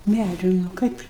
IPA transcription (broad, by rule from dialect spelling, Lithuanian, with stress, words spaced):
ˈmʲæd͡ʒʲʊ nʊ ˈkɐɪp